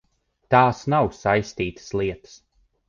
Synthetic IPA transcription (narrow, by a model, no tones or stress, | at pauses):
t̪aːsnawsajst̪iːt̪ə̥slˠiɛt̪ə̥s